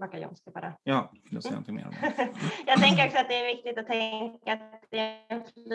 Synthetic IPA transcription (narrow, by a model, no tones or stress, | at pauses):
bakːajɔ̰nsk̪abɑ̰ːɾa̰jɑː | d̪ɛsa̰nt̪ʰɪmḛ | jɑːɡ̚t̪ʰɛŋkəɾɔksɔat̪̚d̪ɛːɾvɪk̚t̪ɪt̪at̪ʰːɛŋŋkaatt̪d̪ɛæɛnfl